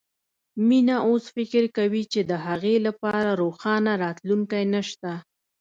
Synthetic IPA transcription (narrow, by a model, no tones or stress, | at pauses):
minaʔosfɪkɪɾkawit͡ʃed̪əɦaɣelapɑɾaɾoxɑnaɾɑt̪luŋkajnəʃt̪a